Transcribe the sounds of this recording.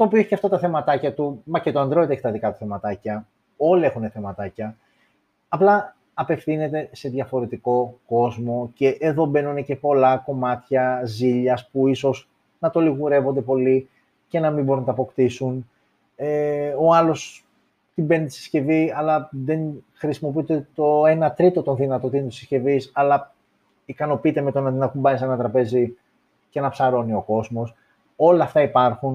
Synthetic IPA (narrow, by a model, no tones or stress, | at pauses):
t̪oːpioeçiceɐft̪ɐt̪ɐθe̞mɐt̪ɐcɐt̪umɐcet̪oɐnd̪ɾet̪eçi̥t̪ɐðikɐt̪u̥θe̞mɐt̪ɐcɐ | o̞lie̞xuneθe̞mɐt̪ɐcɐː | plɐ | ɐpe̞fθine̞t̪e̞se̞ðʝɐfo̞ɾe̞t̪iko̞ko̞zmo̞ce̞ʔeðo̞be̞nunece̞po̞lɐko̞mɐt̪çɐziʎɐspuiso̞s | nɐt̪o̞liɣuɾe̞vo̞nd̪e̞po̞li | ce̞nɐmimbo̞ɾunɐt̪ɐpo̞kt̪isun | eo̞ɐlo̞s | t̪imbe̞nt̪isi̥sce̞viɐlɐðe̞nxɾisimo̞piit̪et̪o̞e̞nɐt̪ɾit̪o̞t̪onðinɐt̪ot̪int̪isisce̞visɐlɐ | ikɐno̞piit̪eme̞t̪o̞nɐt̪inɐkumbɐnisenɐt̪ɾɐpe̞zi | cenɐpsɐɾo̞nio̞ko̞zmo̞s | o̞lɐːft̪ɐipɐɾxun